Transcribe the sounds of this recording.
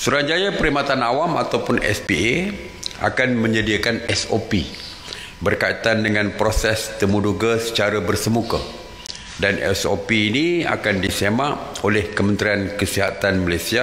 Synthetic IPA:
suɾad͡ʒajapəɾimat̪anawamat̪awpʊnɛ̰spie | a̰kanmə̃ɲədiakanɛsopi | bərkait̪andəŋãnpɾosɛst̪əmũduɡasə̥t͡ʃaɾabərsəmuka | danɛ̰so̰piːnia̰kandisemaʔolɛhkəmə̃nt̪ɾiankəsiɦat̪anməlesia

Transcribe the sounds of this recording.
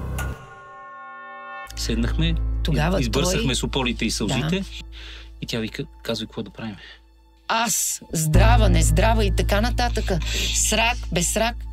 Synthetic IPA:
sɛd̪nəxmɛt̪oɡavəizbɤɾsəxmɛsʊpɔlit̪ɛisɐlˠzit̪ɛ | it̪javikazvikokvɔd̪ɐpɾavimɛ | aszd̪ɾavənɛzd̪ɾavəit̪ɐkanɐt̪at̪əkəsɾakbɛsɾak

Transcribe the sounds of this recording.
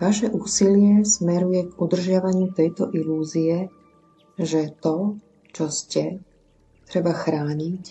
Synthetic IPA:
ʋaʃɛʔuːsilɪɛsmɛɾujɛɡud̪r̩ʒɪaʋaɲɪut̪ɛjt̪ɔʔiluːziɛ | ʒɛt̪ɔ | t͡ʃɔscɛ | t̪ɾɛbaxɾaːɲic

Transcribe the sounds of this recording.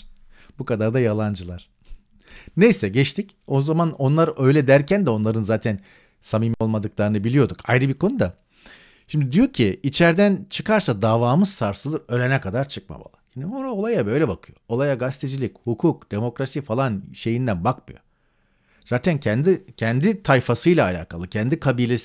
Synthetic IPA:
bukad̪aɾd̪ajalˠand͡ʒɯlˠaɾ̥ | nejsɛɟɛt͡ʃt̪ʰic | o̞zamano̞nlˠaɾø̞jlʲɛd̪æɾcʰænd̪ɛo̞nlˠaɾɯnzaːt̪ʰæn | samimio̞lˠmad̪ɯklˠaɾɯnɯbilʲijo̞d̪ukʰajɾɯbiɾkʰo̞nud̪a | ʃimd̪id̪ijo̞ɾcʰiit͡ʃʰæɾd̪ænt͡ʃʰɯkʰaɾsad̪aːvaːmɯz̥saɾsɯlˠɯɾø̞ɾenɛkad̪aɾt͡ʃʰɯk̚ma̰ba̰lˠɯjiːniboɾaolˠajabø̞jlʲɛbakʰɯjo̞o̞lˠajaɡast̪ʰed͡ʒilʲichukʰuk̚d̪̥e̞mo̞kɾasifalˠanʃe̞jind̪ænbakmɯjo̞̰ | z̥aːt̪ʰæncʰɛnd̪icʰɛnd̪it̪ʰajfasɯjlˠaːlʲa̰ːkʰalˠɯcʰɛnd̪ikʰabiːlʲes

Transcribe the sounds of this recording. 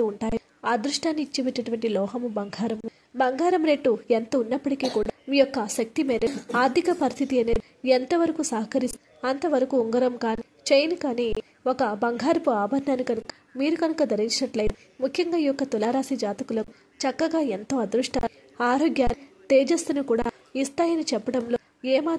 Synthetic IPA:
t̪uuɳʈaːji | ad̪ɾuʂʈaːnːiːt͡ʃːebeʈːɐʈuʋɐɳʈilɔːɦɐmubɐŋɡʱaːɾɐm | bɐŋɡʱaːɾɐmɾeʈːuent̪ɐunːɐpːɐʈikiːkuːɽamiːjɔkːɐʃɐk̚t̪imɛːɾɐaːɾd̪ʱikɐpɐɾist̪ʰit̪iɐneː | ent̪ɐʋɐɾɐkusɐɦɐkɐɾis | ɐnt̪ɐʋɐɾɐkuuŋɡɐɾɐmkaːni | t͡ʃejnkaːniː | ɔkɐbɐŋɡʱaːɾpuaːbʱɐɾnaːnikɐnuk | miːɾukɐnukɐd̪ʱɐɾiɲt͡ʃinɐʈlɐjn | mukʰjɐŋɡaːijɔkːɐt̪ulaːɾaːsid͡ʒaːt̪ɐkulɐ | t͡ʃɐkːɐɡaːent̪oːɐd̪ɾuʂʈaː | aːɾoːɡjaːt̪eːd͡ʒeːst̪unukuːɽa̰ː | ist̪aːjɐnit͡ʃɛpːɐɽɐmloː | eːmaː

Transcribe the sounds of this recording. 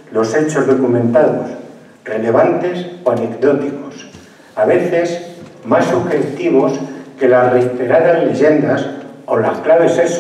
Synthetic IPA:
lo̞se̞t͡ʃo̞zðo̞kumẽ̞nt̪aðos | re̞le̞β̞ant̪e̞soane̞kd̪o̞t̪iko̞s | aβe̞θe̞smasːuxekt̪iβo̞ske̞laret̪eɾaðazle̞ʝe̞nd̪aso̞lahklaβ̞e̞ses

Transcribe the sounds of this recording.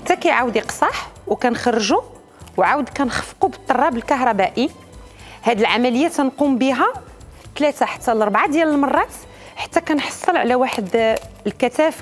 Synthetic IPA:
ħət̪ːækæjʕawd̪iqsˤɑħwkænxɑrːʒu | wʕawəd̪kænxə̥fqubət̪ˤːɑrˤːɑbəlkɑɦɾˤɑbæʔi | hæd̪əlʕamæləjːæt̪ænqumbiɦæ | t̪læt̪aħḁt̪ːælɾbʕad̪jæləlmɑrˤːɑt̪ | ħḁt̪ːækænħɑ̥sˤːəlʕlæwaħəd̪lkæt̪æf

